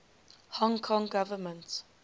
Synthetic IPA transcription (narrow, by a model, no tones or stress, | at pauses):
hɔ̃ŋkʰɔ̃ŋɡavəmə̃nt